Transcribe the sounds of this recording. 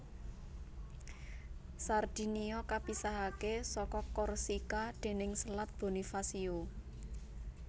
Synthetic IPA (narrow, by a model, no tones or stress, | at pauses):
sard̪̥i̤niɔkapisaɦakesɔkɔkɔrsikaɖ̪̥e̤nɪŋsəlat̪̚b̥o̤nifasio